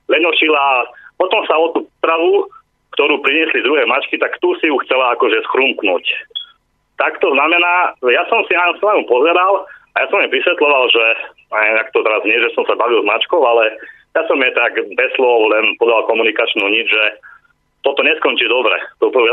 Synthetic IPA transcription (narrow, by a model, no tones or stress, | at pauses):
lɛɲɔʃilapɔt̪ɔmsaɔt̪uːpp̪ɾaʋu | kt̪ɔɾuːpɾiɲɪɛslid̪ɾuɦɛːmat͡ʃkit̪akt̪uːsijuxt͡sɛlaakɔʒɛsxɾumknuːc | t̪akt̪ɔznamɛnaːjasɔmsinasanamupɔzɛɾalajasɔmjɛʋisʋɛt̪lɔʋalʒɛɲɛɛmakt̪ɔt̪ɛɾazɲɪɛʒɛsɔmsabaʋilzmat͡ʃkɔʊalɛ | jasɔmjɛt̪aɡbɛslɔʊlɛnpɔd̪alkɔmunikat͡ʃnuɲid͡ʒʒɛ | t̪ɔt̪ɔɲɛskɔnt͡ʃiːd̪ɔbɾɛ̰t̪ɔpɾɔɛ